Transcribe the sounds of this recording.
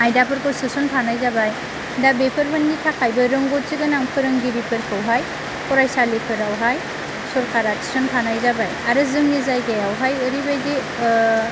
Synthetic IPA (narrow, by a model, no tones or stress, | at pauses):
ajdapʰɯɾkɔsɯsɔnpʰanajzabaj | dabepʰɯɾbʰɯnːitʰakʰajbɯɾɯŋɡɔt̚ziɡɯnaŋpʰɯɾɯŋɡiɾipʰɯɾkʰɯwɦaj | kɔɾajsalepʰɯɾawɦaj | sɔɾkʰaɾai̥sɔnpʰanajzabajaɾɯzɯŋnizajɡajawɦajɯɾibajde